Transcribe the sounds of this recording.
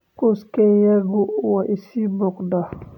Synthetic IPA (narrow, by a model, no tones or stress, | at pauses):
kuskejaɡuwaʔisibɔkda